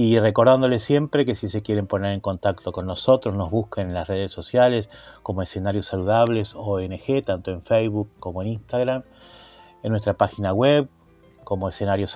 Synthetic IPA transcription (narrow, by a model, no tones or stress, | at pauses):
ireko̞ɾðand̪o̞lesje̞mpɾeke̞sise̞kje̞ɾe̞mpo̞neɾe̞ŋko̞nt̪akt̪oko̞nːoso̞t̪ɾozno̞zβuskenenlasre̞ð̞esːo̞sjalesko̞moese̞naɾjosːaluð̞aβ̞lesoenexet̪ant̪o̞eɱfejβukːo̞moeninst̪aɣɾam | enːwest̪ɾapaxinaɣweβ | ko̞mo̞esenaɾjos